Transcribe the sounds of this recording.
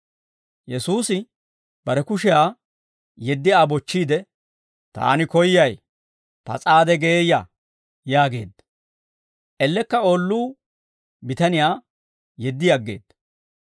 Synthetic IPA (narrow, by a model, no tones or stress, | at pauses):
jɛsuːsɪ | b̥ɐɾɛkʊʃɛjaː | jɛd̪ːɪaːbɔt͡ʃːiːd̪ɛ | t̪a̰ːnɪkɔjːɐj | pɐ̰t͡sʼaːd̪ɛɡeːja | jaːɡe̞̰ːd̪ːɐ | ʔɛlːɛkːɐoːlːuː | bɪt̪ɐnɪjaː | jɛd̪ːɪjɐɡːe̞̰ːd̪ːɐ̥